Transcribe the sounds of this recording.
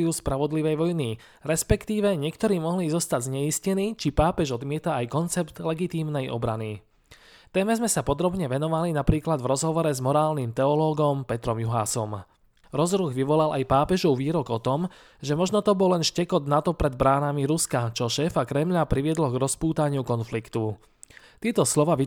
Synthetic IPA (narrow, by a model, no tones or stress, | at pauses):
juːspɾaʋɔd̪liʋɛjʋɔjni | ɾɛspɛkt̪iːʋɛɲɪɛkt̪ɔɾiːmɔɦliːzɔst̪aɟzɲɛiscɛniːt͡ʃipaːpɛʒɔd̪mɪɛt̪aːjkɔnt͡sɛpt̪lɛɡit̪iːmnɛjʔɔ̰bɾani | t̪ɛːmɛzmɛsapɔd̪ɾɔbɲɛʋɛnɔʋalinapɾiːklad̪vɾɔzɦɔʋɔɾɛzmɔɾaːlnimt̪ɛɔlɔːɡɔmpɛt̪ɾɔmjuɦa̰ːsɔm | ɾɔzɾuːɣʋiʋɔlalʔa̰jpaːpɛʒɔʊʋiːɾɔɡɔt̪ɔm | ʒɛmɔʒnɔt̪ɔbɔlːɛnʃcɛkɔd̪nat̪ɔpɾɛd̪̚bɾaːnamiɾuskat͡ʃɔʃɛːfakɾɛmʎapɾiʋɪɛd̪lɔɡɾɔspuːt̪aɲɪukɔnflikt̪u | t̪ɪɛt̪ɔslɔʋaːʋi